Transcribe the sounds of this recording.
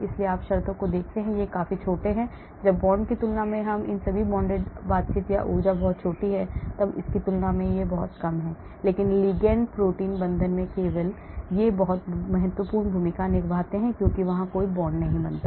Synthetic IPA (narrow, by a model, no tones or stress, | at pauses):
ɪslieaːpʃɐɾt̪õkod̪eːkʰt̪eɦɛ̃jekaːfit͡ʃʰoːʈeɦɛ̃ | d͡ʒɐbːɔːɳkit̪ʊlnamẽɦɐmʔɪ̰nsɐbʱibɔ̃ːɳɖeːɖbaːt̪̚t͡ʃit̪ja̰ʔuːd͡ʒabɔɦʊt̪̚t͡ʃʰoːʈiɦɛt̪ɐbɪ̰skit̪ʊlnamẽjebɔɦʊt̪kɐmɦɛː | leːkɪnliːɡɛ̃ɳɖpɾoːʈiːnbɐ̃nd̪ʱənmẽkeːʋəl | jebɐɦʊt̪mɐɦət̪wəpuːɾɳbʱuːmɪkanɪkbʱaːt̪eɦɛ̃kjõːkiʋɐɦãkoːibɔːɳɖnɐɦĩbɐnt̪aː